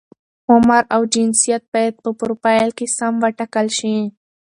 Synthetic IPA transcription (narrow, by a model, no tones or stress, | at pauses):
ʊmaɾawd͡ʒɪnsijat̪̚bajad̪̚pəpʊɾpajlkesamwaʈakalʃi